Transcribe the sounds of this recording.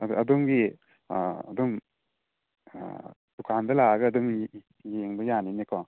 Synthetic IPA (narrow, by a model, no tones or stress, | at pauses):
ɐdɔŋɡi | ɐ̰dɔm | d̥ukʰandɐlaɡɐːdɔŋ | jeŋbɐjaninekʰaŋ